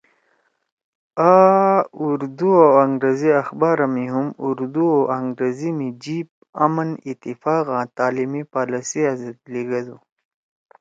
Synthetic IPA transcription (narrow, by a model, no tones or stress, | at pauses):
aːuɾd̪uawɐŋɡɾeziɐxbaːɾɐmiɦumuɾd̪uawaŋɡɾezimid͡ʑib̚ | amənit̪ifaːɣãːt̪aːlimipaːlɐsiazɐd̪liɡɐd̪u